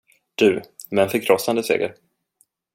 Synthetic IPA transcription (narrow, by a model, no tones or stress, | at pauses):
d̪̥ʉ̟ːmɛnfəkʰɾɔsːand̪əsḛːɡəɾ